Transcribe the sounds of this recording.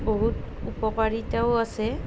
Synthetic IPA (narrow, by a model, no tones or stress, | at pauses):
boɦut | upɔkaɹitaʊasɛ